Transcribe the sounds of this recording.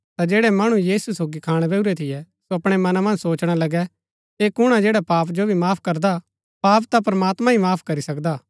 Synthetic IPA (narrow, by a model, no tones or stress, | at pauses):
t̪ad͡ʒeːɽɛmɐɽ̃ũjiːsusoːɡikʰaːɽ̃ebɛːuɾɛt̪ʰɪjɛ | soɐpɽ̃ɛmɐnamɐ̃nd͡ʒsoːt͡ʃɽ̃alɐɡɛ | eːkʊɽ̃ad͡ʒeːɽapaːpd͡ʒobʱimaːpʰkɐɾd̪a | paːpt̪apɾɐmaːt̪mãimaːpʰkɐɾisɐkd̪aː